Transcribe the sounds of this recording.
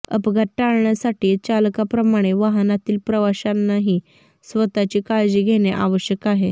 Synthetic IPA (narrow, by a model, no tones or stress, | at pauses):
ə̰pɡʱəʈ̚ʈaɭɳjasaʈiːt͡ɕalkapɾəmaɽ̃eʋaɦnat̪iːlpɾəʋaɕanːaɦiː | sʋət̪at͡ɕiːkaɭd͡ʑiːɡʱeɽ̃eʔaʋəɕjəkaɦe